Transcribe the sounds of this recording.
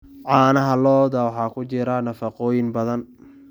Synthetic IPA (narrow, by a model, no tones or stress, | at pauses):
ʕɑːnɐɦɐlɔːðɐwɑħɑːkʰʊt͡ʃɪɾɐnɐfɐqɔːjɪnbɐðɐn